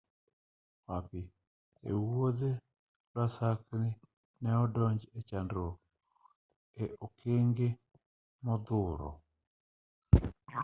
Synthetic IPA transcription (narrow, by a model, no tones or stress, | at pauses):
wapɪ | ḛwod̪e | lwasaknɪ | nɛɔdɔɲd͡ʒet͡ʃandɾo | eokʰeŋɡe | mɔd̪ʊɾɔ̰